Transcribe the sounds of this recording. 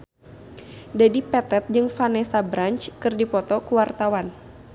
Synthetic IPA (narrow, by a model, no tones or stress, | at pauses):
dadipɛt̪ɛt̪̚d͡ʒɨŋfanɛsabɾaɲt͡ʃkɨrdipɔt̪ɔkuwart̪awan